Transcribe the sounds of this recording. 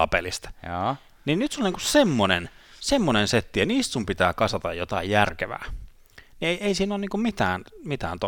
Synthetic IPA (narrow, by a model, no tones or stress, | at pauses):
ɑ̰pḛlist̪ː | ninnyt̪sulniŋkussemːonensemːonenset̪ːijɑniːst̪sumpit̪æːkɑsʋɑt̪ɑjjot̪ɑ̰ijjærkeʋæ̰ː | nieieisiːnoːniːŋkummit̪æːnmit̪æ̰ːnt̪o